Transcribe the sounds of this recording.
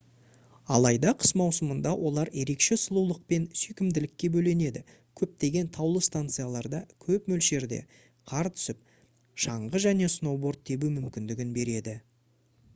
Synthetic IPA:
ɑ̰lˠɑjd̪ɑqʰə̥smɑwsəmənd̪ɑwʔo̞lˠɑɾje̞ɾe̞kʃe̞səlˠulˠəq̚pe̞nsʏjkʲɪmd̪ɪlɪkʲːe̞bɵle̞ne̞d̪ɪ | kʲʰɵp̚t̪e̞ɡʲe̞nt̪ʰɑwlˠəst̪ant̪sɨjalˠɑɾd̪ɑkʲʰɵpmɵlʃe̞ɾd̪e̞̰ | qʰɑɾt̪ʰʏ̥sɪp̚ | ʃɑɴʁəʒæne̞sno̞bo̞rt̪̚ʰːe̞bumʏmkʲɪnd̪ɪɡʲɪnbe̞ɾe̞d̪ɪ

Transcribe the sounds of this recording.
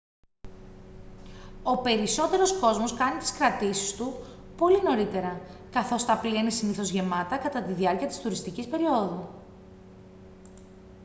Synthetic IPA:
o̞pe̞ɾiso̞t̪e̞ɾo̞sko̞zmo̞skɐnit̪i̥skɾɐt̪isi̥st̪u | po̞lino̞ɾit̪e̞ɾɐkɐθo̞st̪ɐplienesiniθo̞zʝe̞mɐt̪ɐkɐt̪ɐt̪iðiɐɾciɐt̪i̥st̪uɾist̪icispe̞ɾio̞ðu

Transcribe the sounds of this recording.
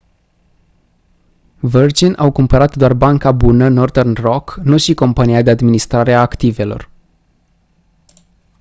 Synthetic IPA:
vərd͡ʒinʔawkumpəɾat̪d̪oarbaŋkabunəno̞rd̪ernro̞knuʃiko̞mpanijad̪e̞ad̪minist̪ɾaɾe̞aːkt̪ive̞lo̞̰r

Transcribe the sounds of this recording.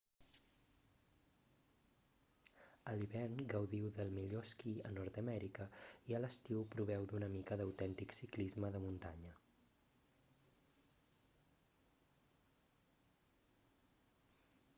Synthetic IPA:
əliβɛrnɡəwðiwðəlˠmiʎoskiənɔɾt̪əmɛɾikəiələst̪iwpɾuβ̞ɛwd̪unəmikəðəwt̪ɛnt̪iksiklizməðəmunt̪aɲə

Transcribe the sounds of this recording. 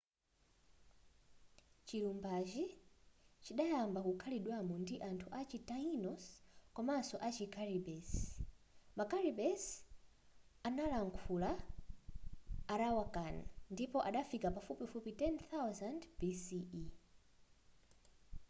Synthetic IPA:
t͡ʃilumbad͡ʒi | t͡ʃiɗajambakukʰaliɗwamɔndiʔantʰuʔat͡ʃitainɔskwamasɔʔat͡ʃikʰaɾibɛs | makaɾibɛs | analaŋkʰula | ɾawakanandipɔʔaɗafikapafupifupitɛnθawzandbisii

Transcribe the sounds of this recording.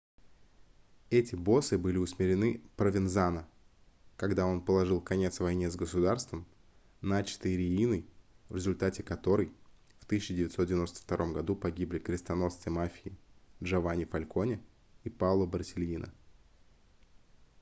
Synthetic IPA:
ɛtʲɪbo̞sɨbɨlʲɪʊsmʲɪɾʲɪnɨpɾəvʲɪnzanə | kɐɡd̪ao̞npəlˠɐʐɨlˠkɐnʲe̞t̪svɐjnʲezɡəsʊd̪arst̪vəm | nat͡ɕɪ̥t̪ɨjɾʲɪinɨjvɾʲɪzʊlʲt̪atʲɪkɐt̪o̞ɾɨj | ft̪ɨsʲt͡ɕːɪdʲɪvʲɪt̪ʲsot̪dʲɪvʲɪno̞st̪ə̥ft̪ɐɾʔo̞mɡɐd̪upɐɡʲiblʲɪkɾʲɪst̪ɐno̞st̪ɨjmafʲɪɪdʐɐvanʲɪfɐlʲko̞nʲɪ | ipavlˠəbərsʲɪlʲinʔə̰

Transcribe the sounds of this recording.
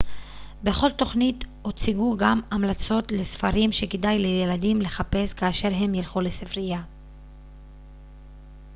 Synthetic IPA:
be̞χo̞lto̞χnito̞t͡siɡuɡamamlat͡so̞tle̞sfaʁimʃe̞kedajle̞jeladimle̞χape̞skaːʃe̞ʁɦe̞mjelχulesifʁija

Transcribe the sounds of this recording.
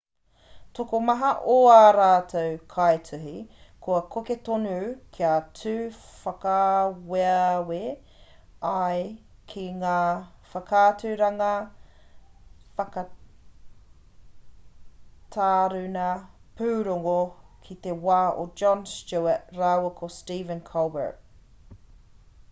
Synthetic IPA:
tokomɐɦɐʔoaɾaːtʰɐwkʰajtʰʉɦikʰoɐkʰoketonukʰiat͡sʰʉːfɐkɐweɐwe | ɐj | kʰiŋaːfɐkʰaːtʉɾɐŋɐ | fɐkɐ | tʰaːɾʉnɐ | pʉːɾoŋokʰit̪ewaːod͡ʒɔnst͡ʃuɛɾawɐkʰostiːvə̃nkʰɔlbə̰˞t

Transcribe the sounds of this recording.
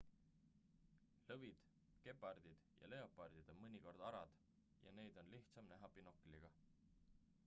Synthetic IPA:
lɤvid̪̥ | ke̞pːˑɑrd̪̥id̪̥jɑ̰le̞o̞pːˑɑrd̪̥id̪̥o̞nmɤnʲiko̞rd̪̥ɑɾɑd̪̥ | jɑ̰ne̞jd̪̥o̞nliht̪sɑmnæɦɑpino̞kːiliɡ̥ɑ

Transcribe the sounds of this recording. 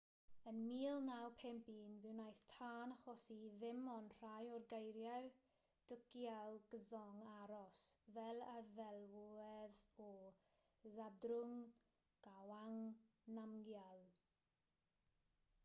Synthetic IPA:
ənmiːlˠnawpʰɛmpinvɪwnajθtʰaːnaχɔsiðɪmɔnr̥ajɔrɡejɾjar | d̥ʊkjalˠɡəzɔŋaɾɔsvɛlˠaðɛlˠwɛðɔ | zadrʊŋ | ɡ̥awaŋnamɡjalˠ

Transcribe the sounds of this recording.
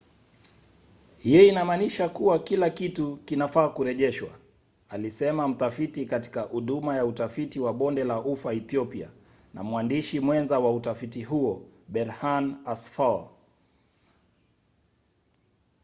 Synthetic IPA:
hijɔinamaːniʃakuwakilakitukinafaːkuɾɛʄɛʃwa̰ | alisɛmam̩tafitikati̥kahuɗumajautafitiwaɓɔndɛlaʔufaɛθiɔpia̰ | na̰mwandiʃimwɛnzawautafitiɦuɔɓɛɾhanasfa

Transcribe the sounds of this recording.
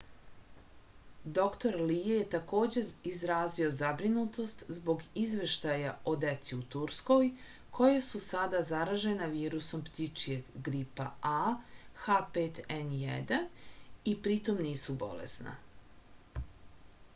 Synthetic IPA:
d̪o̞kt̪o̞ɾlijeje̞t̪ako̞ːd͡ʑeizɾaːzio̞zabɾinut̪o̞st̪zbo̞ɡizʋe̞ʃt̪ajaʔo̞d̪et̪siut̪uɾsko̞j | kʰo̞jasusad̪azaɾaʒe̞naʋiːɾuso̞mpt̪it͡ʂijeɡɡɾipa̰axapeːt̪ɛnjɛ̰d̪anipɾit̪o̞mniːsubo̞̰lḛsna̰

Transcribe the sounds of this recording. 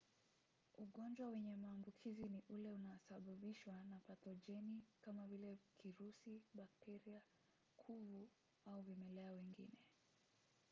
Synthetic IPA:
uɠɔnd͡ʒwawɛɲɛmaːmbukʰiziniʔulɛunaɔsaɓaɓiʃwanapatɔʄɛnikamavilɛkʰiɾusiɓak̚tɛɾia | kʰuvu | auvimɛlɛawɛŋɡḭnɛ

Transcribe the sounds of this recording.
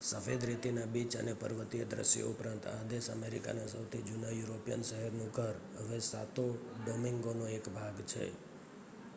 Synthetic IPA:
səfed̪ɾet̪inabit͡ʃə̰nepə̰ɾʋət̪ijəd̪ɾə̰sjo̰upɾãnt̪ad̪eʃəmeɾḭka̰nasəwt̪ʰid͡ʒunajuɾopijə̰nʃəɦɛɾnũɡʱəɾɦəʋesa̰t̪oɖomiŋɡonoekbʱaɡt͡ʃʰḛ

